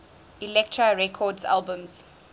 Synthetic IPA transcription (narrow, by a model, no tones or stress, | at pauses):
ilɛk̚tʰɹaɹɛkʰɔdza̰lbə̃mz̥